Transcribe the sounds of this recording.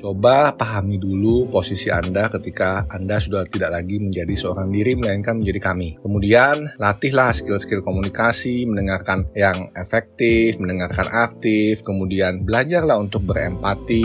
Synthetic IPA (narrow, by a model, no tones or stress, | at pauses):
t͡ʃobapaɦamiduluposisia̰ndakət̪ikaːndasudaht̪idaʔlaɡiməɲd͡ʒadisəoɾaŋdiɾiməlaɪnkanməɲd͡ʒadikamikəmudianlat̪ɪɦlahskɪlskɪlkomunikasiməndəŋarkanjaŋefɛk̚t̪ɪfməndəŋarkanʔak̚t̪ɪfkəmudianbəlad͡ʒarlahunt̪ʊk̚bəɾɛ̰mpat̪i